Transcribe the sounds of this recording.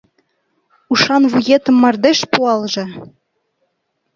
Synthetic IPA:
uʃɑnvujet̪ɤ̆mːɑrd̪eʃpuɑlˠʒɤ̆

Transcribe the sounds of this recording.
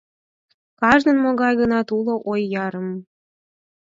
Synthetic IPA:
kɑʒnə̆nmoɣɑjɣənɑt̪uloʔojːɑɾə̆m

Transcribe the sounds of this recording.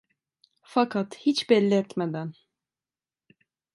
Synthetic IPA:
fakʰat̪hit͡ʃbɛlʲːɛɛt̪med̪æn

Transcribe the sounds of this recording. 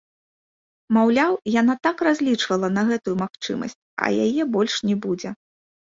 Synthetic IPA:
mawlʲawjanat̪akrazʲlʲit͡ʂvɐlˠɐnɐɣɛt̪ujumaxt͡ʂɨ̰mɐ̰sʲt͡sʲɐ̰jajɛbɔlʲʂnʲɛbud͡zʲɛ

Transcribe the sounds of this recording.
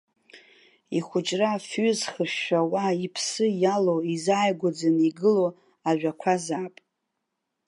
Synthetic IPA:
iχʷʊt͡ʃʼrafɥʏzχɨʃawaipʰsɨjalowizaːjɡʷad͡zaniɡɨlo | aʒᶣakʷʰazaːpʼ

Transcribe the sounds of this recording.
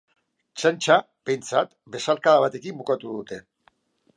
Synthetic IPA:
t͡ʃant͡ʃa | be̞jnt͡sat̪ | be̞salkaðaβ̞at̪e̞kimbukat̪uðut̪e̞

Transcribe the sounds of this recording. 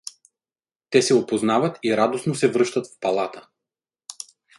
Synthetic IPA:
t̪ɛsɛopoznavɐt̪iɾad̪osnosɛvɾɤʃt̪ɐt̪fpalˠat̪ə̥

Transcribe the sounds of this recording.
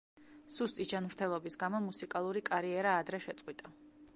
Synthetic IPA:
sust̪ʼid͡ʒanmɾt̪ʰɛlˠɔbisɡamɔmusikʼalˠuɾikʼaɾiɛɾaːd̪ɾɛʃɛt̪sʼqʼwit̪ʼa

